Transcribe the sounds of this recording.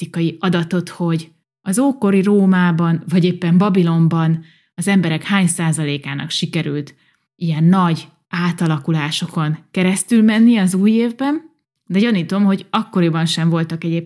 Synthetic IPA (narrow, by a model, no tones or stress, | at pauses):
ikɒjiɒd̪ɒt̪o̞t̪ho̞ɟ | ɒzoːko̞ɾiɾoːmaːbɒnvɒɟeːpːɛmbɒbilo̞mbɒn | ɒzɛmbɛɾɛkhaːɲsaːzɒleːkaːnɒ̰kʃikɛɾylt̪ | ijɛnːɒɟ | aːt̪ɒlɒkulaːʃo̞ko̞nkɛɾɛst̪ylmɛnːiɛɒzuːjeːvbɛn | d̪ɛɟɒniːt̪o̞mho̞ɟɒkːo̞ɾibɒnʃɛɱvo̞lt̪ɒkɛɟeːp